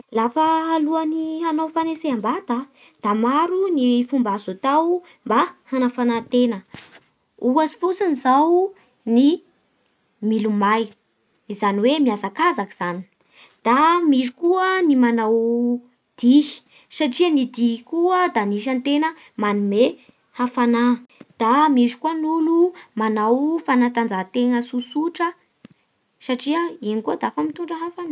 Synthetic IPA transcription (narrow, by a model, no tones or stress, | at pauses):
lafəːluaniɦanawfaneseambad̪a | d̪̥amaɾunifumbazot̪aw | mbahanafanat̪enə | uasi̥fusinizaw | ni | milumaj | izaniwemiasakazaki̥z̥ani̥ | d̪̥amiʐikuənimanaw | d̪̥ii̥ | saʈ͡ʂiənid̪iɦkuəd̪aniʃ̬ant̪enə | manume | hafanad̪̥amizi̥kuənulumanawfanat̪and͡zat̪eŋəsusuʈ͡ʂə | saʈ͡ʂiəinikuəd̪aafamit̪uɳɖ͡ʐəɦafana